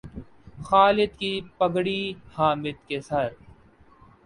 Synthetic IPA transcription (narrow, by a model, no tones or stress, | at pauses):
xaːlɪt̪kiːpəɡɽiːhaːmɪt̪kesɐɾ